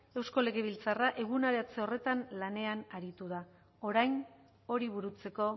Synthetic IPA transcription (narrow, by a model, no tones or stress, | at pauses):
e̞wsko̞le̞ɣe̞β̞ilt͡saraʔe̞ɣ̞unaɾeat͡seo̞re̞t̪anlane̞anaɾit̪uða | o̞ɾajn | o̞ɾiβuɾut͡se̞ko̞